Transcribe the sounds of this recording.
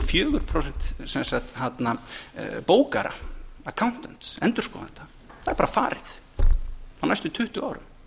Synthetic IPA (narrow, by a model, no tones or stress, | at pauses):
fjœːɣʏɾ̥pʰɾows̬ɛkt̪sɛmsat̪hat̪napoːwkaɾa̰akʰawn̥t̪ɛn̥t̪sɛnt̪ʏɾ̥skɔːða̰nt̪a | θaðɛɾpaːɾafaːɾɪθ | hanːajst̪ʏt̪ʰʏht̪ʏa̰ːwɾʏ̰m